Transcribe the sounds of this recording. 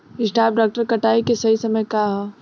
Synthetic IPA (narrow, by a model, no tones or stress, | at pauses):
ɪsʈaːp̚ɖaːk̚ʈəɾkɐʈaːikesɐɦisɐməjkaɦɛː